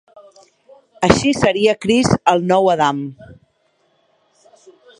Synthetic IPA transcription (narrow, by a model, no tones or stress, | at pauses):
əʃisəɾiəkɾizəlˠnɔwəðam